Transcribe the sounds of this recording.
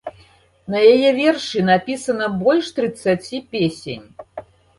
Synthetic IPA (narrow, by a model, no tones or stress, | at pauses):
nɐjajɛvʲɛrʂɨnapʲisɐnɐbɔlʲʂt̪ɾɨt̪sːat͡sʲipʲesʲḛnʲ